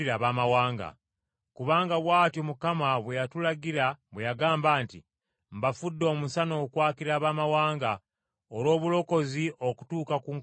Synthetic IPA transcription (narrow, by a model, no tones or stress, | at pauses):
iɾaβaːmawaːŋɡa̰ | kuβaːŋɡaβwaːtjomukamaβwejatulaɡiɾaβwejaɡaːmbaːnti | mbafudːo̞ːmusano̞ːkwaːkiɾaːβaːmawaːŋɡa | oɾo̞ːβulo̞ko̞ziʔo̞ku̥tuːkakuŋ